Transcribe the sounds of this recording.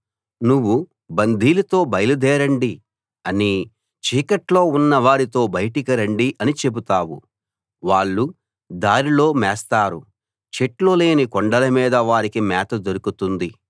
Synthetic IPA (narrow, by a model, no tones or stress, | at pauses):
nuʋːu | bɐnd̪ʱiːlɐt̪o̞ːbɐjlud̪ɛːɾɐɳɖi | ɐni | t͡ʃiːkɐʈlo̞ːunːɐʋaːɾit̪o̞ːbɐjʈikɐɾɐɳɖiʔɐnit͡ʃe̞but̪aːwu | ʋaːɭːu | d̪aːɾilo̞ːmɛːst̪aːɾṵ | t͡ʃeʈloːle̞ːnikoɳɖɐlɐmiːd̪ɐʋaːɾikimɛːt̪ɐd̪oɾukut̪und̪i